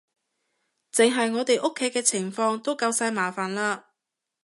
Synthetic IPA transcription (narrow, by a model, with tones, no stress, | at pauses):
t͡sɪ˨ŋɦɐ˨jŋɔː˨˧t̪e˨jʔʊ˥kʰːe˨˥jkɛː˧t͡sʰɪ˨˩ŋfɔː˧ŋt̪o˥wkɐ˧wsaː˧jmaː˨˩faː˨nlaː˧